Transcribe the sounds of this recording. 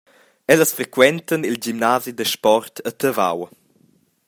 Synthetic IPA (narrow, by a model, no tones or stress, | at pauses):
ɛləsfɾekwɛnt̪ənilɟimnaːzid̪əʃpɔrt̪ʰət̪əva̰w